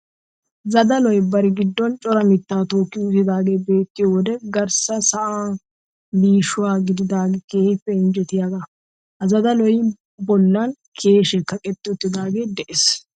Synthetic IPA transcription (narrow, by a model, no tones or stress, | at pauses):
zɐd̪ɐlɔjbɐɾɪɡɪd̪ːɔnt͡ʃʼɔɾɐmɪt̪ːaːt̪oːkːɪʊt̪ːɪd̪aːɡeːbe̞ːt̪ːɪjɔwɔd̪ɛɡɐɾsɐsɐʔaː | liːʃʊwaːɡɪd̪ɪd̪aːɡɛkeːhɪpːɛɪnd͡ʒɛt̪ɪjaɡɐ | hɐzɐd̪ɐlɔj | bɔlːɐn | kʰe̞ːʃɛkɐkʼɛt̪ːɪʊt̪ːɪd̪aːɡe̞ːd̪ɛʔɛs